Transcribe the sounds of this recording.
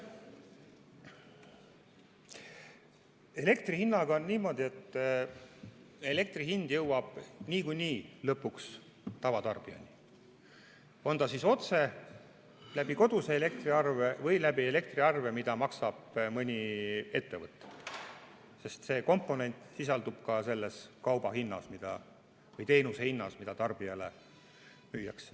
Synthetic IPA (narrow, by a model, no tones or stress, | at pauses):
e̞le̞kt̪rihinːɑɡɑonniːmo̞ːd̪ʲie̞t̪ː | e̞le̞k̚t̪riɦind̪̥jɤwwɑb̥niːkujniːlɤpːˑuks | t̪ɑvɑt̪ɑ̰rb̥iɑ̰nʲi | o̞nt̪ɑsiso̞t̪se̞ | læb̥iko̞d̪̥useele̞k̚t̪riɑrvevɤjlæbie̞le̞k̚t̪riɑrve̞mid̪̥ɑmɑksɑb̥mɤnʲie̞t̪ːe̞vɤt̪ˑːe̥ | se̞st̪se̞ːko̞mpˑːo̞ne̞nʲt̪ˑsisɑld̪ub̥kɑse̞lːe̞skɑwb̥ɑɦinːɑsmid̪̥ɑ̰ | vɤjt̪e̞jnusehinːɑsmid̪̥ɑt̪ɑrb̥iɑle | myːjɑ̰ks